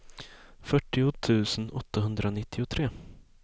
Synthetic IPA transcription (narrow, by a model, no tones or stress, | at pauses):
fœʈːɪʊt̪ʰʉ̟ːsənɔ̰t̪ːaɦɵnd̪ɾanɪt̪ːɪʊt̪ʰɾeː